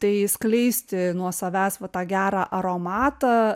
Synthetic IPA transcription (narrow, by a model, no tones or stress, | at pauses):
t̪ɐɪsklʲɛɪsʲt̪ʲɪnuɔsɐʋʲæːsʋɐt̪ɑːɡʲæːɾɑːʔɐɾoːmɑːt̪ɐː